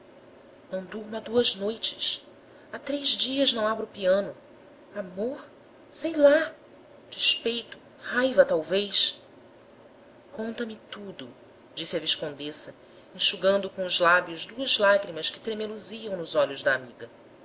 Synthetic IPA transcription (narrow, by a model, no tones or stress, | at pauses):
nɐ̃w̃d̪uɾmɐd̪uɐznojt͡ʃɪ̥s | at̪ɾejzd͡ʒiɐznɐ̃w̃abɾʊpiɐ̃nʊ | amoɾ | sejla | d͡ʒiʃpejt̪ʊ̥ | hajvɐt̪awvejs | kõnt̪ɐmɪt̪ud̪ʊ | d͡ʒisiɐviʃkõnd̪esɐ | ĩʃuɡɐ̃nd̪ʊkõʊzlabjʊzd̪uɐzlaɡɾimɐskɪ̥t̪ɾemeluziɐ̃w̃nʊzɔʎʊzd̪ɐːmiɡɐ